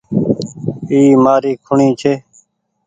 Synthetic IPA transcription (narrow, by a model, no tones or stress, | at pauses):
iːmaːɾiːkʰʊɳĩːt͡ʃʰeː